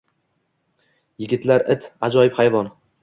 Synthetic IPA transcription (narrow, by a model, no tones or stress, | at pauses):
jɪɡʲɪt̪laɾɪt̪ʰad͡ʒɒjɪphajvɒn